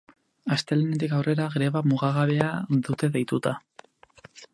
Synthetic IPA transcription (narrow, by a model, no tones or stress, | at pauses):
ast̪e̞lenet̪ikawrʔe̞ɾaɣɾe̞βamuɣaɣaβe̞aðut̪e̞ðejt̪ut̪a